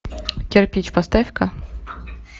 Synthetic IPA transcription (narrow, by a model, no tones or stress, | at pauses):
kʲɛrpʲit͡ɕpɐst̪afʲkɐ